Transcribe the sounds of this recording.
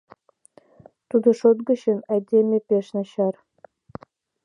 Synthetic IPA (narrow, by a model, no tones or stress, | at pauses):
t̪ud̪ɤ̆ʃot̪̚ɡɤ̆ɕə̆næd̪ʲemʲepʲeʃnɑɕɑr